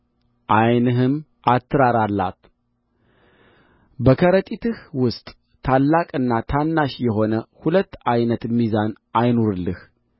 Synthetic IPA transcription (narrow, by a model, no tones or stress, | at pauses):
ʔajnɨɦɨm | ʔat̪ʰːɨɾaɾalːa̰t̪ | bəkʰəɾət̪ʼit̪ʰɨhwʊst̪ʼ | t̪ʰalːakʼɨnːat̪ʰanːaʃjɛɦo̞nəhulət̪ːajnət̪mːizanʔajnoɾɨlːɨh